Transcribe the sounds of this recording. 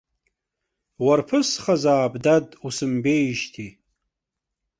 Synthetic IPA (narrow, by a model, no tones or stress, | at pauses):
warpʰɨsχazaːbdadusɨmbejʒtʰi